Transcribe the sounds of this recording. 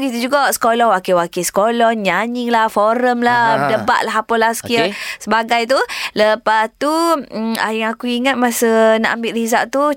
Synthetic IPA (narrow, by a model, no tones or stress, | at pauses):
kit̪ud͡ʒuɡaʔsə̥kolɔhwakiwakisə̥kolɔnɲaɲiŋlahfoɾəmladəba̰ʔlaɦapɔlaskiəsəbaɡajt̪̬uləpast̪ua̰jaŋakuiŋat̪̚masəna̰ʔambɪʔ̪rizaʔt̪u